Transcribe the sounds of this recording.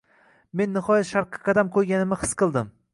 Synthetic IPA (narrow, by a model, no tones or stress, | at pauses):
me̞nːɪχɒjat̪ʃaɾqʰɨ̥qʰɑd̪amkʰoɾɡʲanɪmɪhɨ̥sqʰɨlˠd̪ɪm